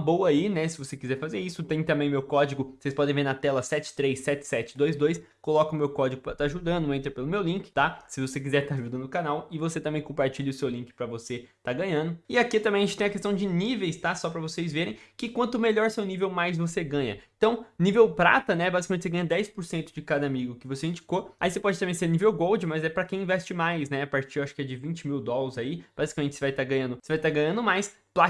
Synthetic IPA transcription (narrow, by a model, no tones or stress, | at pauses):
bowɐainɛsɪvosekizɛɾfazeɾisʊt̪ẽj̃t̪ɐ̃mbẽj̃mewkɔd͡ʒiɡʊsejspɔd̪ẽj̃veɾnɐt̪ɛlɐsɛt͡ʃɪ̥t̪ɾejsːɛt͡ʃɪ̥sɛt͡ʃɪd̪ojzd̪ojs | kolɔkɐʊmewkɔd͡ʒɪɡʊpɾɐt̪aʒud̪ɐ̃nd̪ʊẽnt̪ɾɐpelʊmewlĩŋkɪ̥t̪asɪvosek̬izɛɾt̪aʒud̪ɐ̃nʊkanawɪvoset̪ɐ̃mbẽj̃kõpaɾt͡ʃiʎɪʊsewlĩŋkɪ̥pɾɐvoset̪aɡɐ̃ɲɐ̃nd̪ʊɪakit̪ɐ̃mẽj̃ɐʒẽt͡ʃɪt̪ẽɐkest̪ɐ̃w̃d͡ʒɪnivejst̪asɔpɾɐvosejzveɾẽj̃kɪkwɐ̃nt̪ʊmeʎɔɾsewnivewmajzvoseɡɐ̃ɲɐẽt̪ɐ̃w̃nivewpɾa̰t̪ɐnɛbazikɐmẽt͡ʃɪseɡɐ̃ɲɐd̪ɛjspoɾsẽnt̪ʊd͡ʒɪkad̪ɐamiɡʊkɪvoseĩnd͡ʒikoaisepɔd͡ʒɪt̪ɐ̃mẽj̃seɾnivewɡowd͡ʒɪmɐzɛpɾɐkẽj̃ĩvɛst͡ʃɪmajsnɛapaɾt͡ʃiɾaʃʊ̥kɪɛd͡ʒɪvĩt͡ʃɪmiwd̪ɔlɐzaib̥azi̥kɐmẽt͡ʃɪsɪvajt̪aɡɐ̃ɲɐ̃nd̪ʊsɪvajt̪aɡɐ̃ɲɐ̃nd̪ʊmajs | pla